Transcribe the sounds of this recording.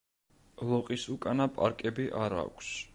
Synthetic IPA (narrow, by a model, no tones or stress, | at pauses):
lˠɔqʼisukʼanapʼa̰ɾkʼɛbiʔaɾa̰kʷʰs